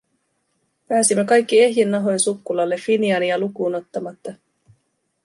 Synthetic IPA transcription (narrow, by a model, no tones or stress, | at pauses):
pæːsimːekɑjkːie̞ɦjenːɑɦo̞jnsukːulɑlːe̞fːiniɑniɑlukuːno̞t̪ːɑmɑt̪ːɑ